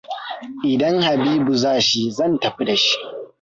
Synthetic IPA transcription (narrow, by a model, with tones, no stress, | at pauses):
ʔɪ˨dɐ˦ŋha˨biː˦bu˨zaː˦˨ʃi˦zɐ˦˨ntɐ˨ɸi˦da˨ʃi̥˦ʔ